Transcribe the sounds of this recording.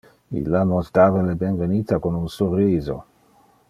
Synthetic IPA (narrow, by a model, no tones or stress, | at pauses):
ḭlanost̪aːvalebenvenit̪akonunsurːiːzo